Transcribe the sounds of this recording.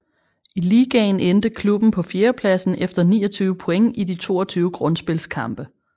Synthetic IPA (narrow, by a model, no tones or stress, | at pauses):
ʔiliːɡ̥ɛɪnend̥əkʰlub̥n̩pʰɒ̽fjeːɐpʰlæsn̩ʔefd̥ɐnḭːɒt͡sʰyːʊəpʰo̽eŋʔidit͡sʰo̝̰ːɐt͡sʰyːʊəɡ̥ʁɔ̽nsb̥e̝lskʰɑ̈mb̥ə